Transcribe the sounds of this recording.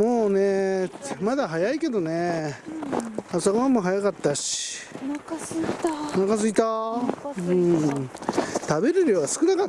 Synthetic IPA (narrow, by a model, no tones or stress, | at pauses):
mo̞ːnemad̪aɦajaike̞d̪o̞ne | asokoβamoːɦajakat̪ːaɕi̥i̥k̪ | nakas̬ɨit̪a | ɯ̃ | t̪abe̞ɾɯ̟ɾjoːɡasɨ̥kɯ̟nakat̪ː